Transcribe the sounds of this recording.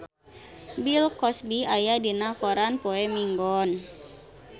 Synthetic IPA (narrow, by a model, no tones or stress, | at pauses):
bilkɔsbiajadinakɔɾanpoɛmiŋɡɔn